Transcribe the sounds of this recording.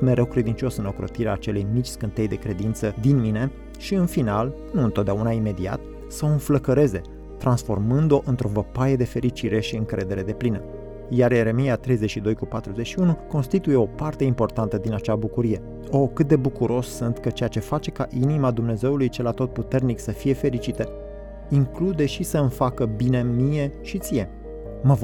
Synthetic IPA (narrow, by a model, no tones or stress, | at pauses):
me̞ɾewkɾe̞d̪int͡ʃo̞sɨnokɾo̞̰t̪iɾeaːt͡ʃe̞lejmit͡ʃʲskɨnt̪ejd̪e̞kɾe̞d̪int̪səd̪inmine̞ | ʃiɨnfinal | nuɨnt̪ot̪̚d̪eaunaime̞d̪ia̰t̪ | səoɨnfləkəɾe̞ze̞ | t̪ɾansfo̞rmɨnd̪o̞ʔɨnt̪ɾo̞vəpaje̞d̪e̞fe̞ɾit͡ʃiɾe̞ʃiɨŋkɾe̞d̪e̞ɾe̞d̪e̞plinə | jaɾje̞ɾe̞mijat̪ɾe̞jze̞t͡ʃʃid̪o̞jkupat̪ɾuze̞t͡ʃʃiunuko̞nst̪it̪uje̞o̞part̪e̞impo̞rt̪ant̪əd̪inat͡ʃabukuɾije̞ | o̞kɨt̪̚d̪e̞bukuɾʔo̞ssuɨnt̪kət͡ʃe̞jat͡ʃe̞fat͡ʃe̞kaʔinimad̪umne̞ze̞ulujt͡ʃe̞lat̪o̞t̪̚put̪e̞rniksəfije̞fe̞ɾit͡ʃit̪ə | iŋklud̪e̞ʃisəɨnfakəbinemije̞ʃit̪sije̞ | məv